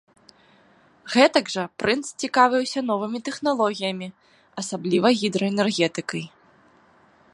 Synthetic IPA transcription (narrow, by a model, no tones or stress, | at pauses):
ɣɛt̪ɐɡʐɐpɾʔɨnt̪st͡sʲikavʲɨwsʲɐn̪ɔvɨmʲit̪ɛxnalˠɔɣʲijɐmʲi | ɐsablʲivɐɣʲid̪ɾɔɛnɛrɣʲɛt̪ɨkɐj